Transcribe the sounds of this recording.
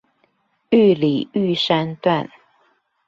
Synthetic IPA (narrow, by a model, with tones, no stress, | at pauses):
y˥˨li˨˩y˥˨ʂa˥nt̪wa˥˨n